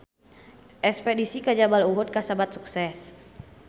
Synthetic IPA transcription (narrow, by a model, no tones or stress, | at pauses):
ʔɛkspɛdisikad͡ʒabaluɦʊt̪̚kasabat̪̚suksɛs